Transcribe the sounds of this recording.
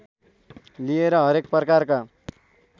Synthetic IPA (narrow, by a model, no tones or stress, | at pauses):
lieɾʌɦʌɾek̚pʌkarka